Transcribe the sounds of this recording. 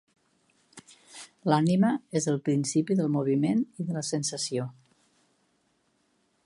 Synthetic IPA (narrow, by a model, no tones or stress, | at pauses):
laniməezəlˠpɾinsipiðəlˠmuβ̞imeniðələsənsəsio